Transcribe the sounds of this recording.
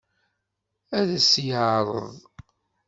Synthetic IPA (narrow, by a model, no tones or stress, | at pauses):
æðəsjəʕɾˤə̰ðˤ